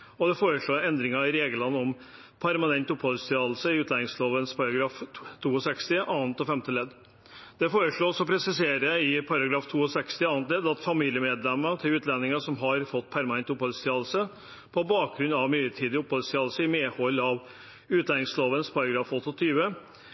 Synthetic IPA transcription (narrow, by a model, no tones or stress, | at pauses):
ɔd̪ɛfoːɾəʂɭoːɛnd̪ɾɪŋɑɪɾeːɡəlɑnːɔm | pʰæɾmɑnɛnt̪ʊphɔlst̪ʰɪɑːd̪lsəɪʉːt̪læːnɪŋsloːʋənspʰɑɾɑɡɾɑːft̪ʰuːɔsɛkst̪ɪʔɑːnt̪ɔfɛmt̪əlɛd̪ | d̪̥ɛfoːɾəʂɭoːsɔpʰɾɛsɪseːɾəɪpʰɑɾɑɡɾɑːft̪ʰuːɔsɛkst̪ɪɑːnt̪lɛːd̪ɑt̪fɑmiːljəmeːd̪lɛmːət̪ʰɪlʉːt̪lɛnːɪŋəʂɔmɦɑɾfɔt̪ːpʰæɾmɑnɛnt̪ʊphɔlst̪ɪɑːd̪l̩sə | pʰɔbɑːk̚ɡɾʉnːɑʋmyːət̪ʰiːd̪ɪʊphɔlst̪ɪɑd̪səɪmeːhɔlːɑʋ | ʉːt̪læːnɪŋsloːʋənspʰɑɾɑɡɾɑːfɔt̪ːɔt̪ʰyːʋə